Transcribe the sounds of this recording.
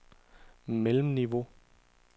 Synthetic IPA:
melm̩niʋo̝

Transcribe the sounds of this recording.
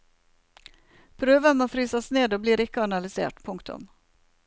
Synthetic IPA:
pʰɾøːvamɔfɾyːsasneːd̪ɔbliːɾɪkːəanalɪsḛːʈpʰʊŋkt̪ɵ̰m

